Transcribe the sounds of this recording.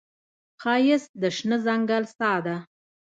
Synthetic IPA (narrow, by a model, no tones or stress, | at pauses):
qɑjɪsd̪əʃnəzaŋɡalsɑd̪a